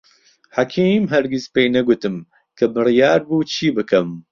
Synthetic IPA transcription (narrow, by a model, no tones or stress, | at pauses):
hakʰiːmɦɛɾɡispeːnɛɡut̪ɨm | kʰɨbɨrijaːɾbuːt͡ʃʰiːbɨkɛm